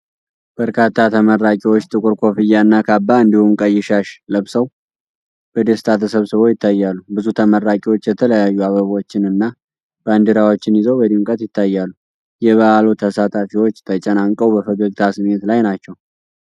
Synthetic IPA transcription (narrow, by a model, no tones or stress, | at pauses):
b̥əɾkʰat̪ʰːat̪ʰəmərːakʼiwot͡ʃːt̪ʼɨkʼʊɾkʰo̞fɨjːaɨnːakʰabːaɨnd̪ihumkʼəjːɪʃaʃləβsəw | b̥əd̪est̪ʰat̪ʰəsəβsəβo̞jɪt̪ʰːajːalːubɨzut̪ʰəməɾːakʼiwo̞t͡ʃːjɛt̪ʰələjajːuaβəβo̞t͡ʃːɪnɨnːa | b̥and̪iɾawo̞t͡ʃːɪnjɪzəwbəd̪imkʼət̪jɪt̪ʰːajːalːu | jɛβəalot̪ʰəsat̪ʼafiwo̞t͡ʃːt̪ʰət͡ʃʼənaŋkʼəwbəfəɡəɡt̪ʰasɨme̞t̪lajnat͡ʃːɛw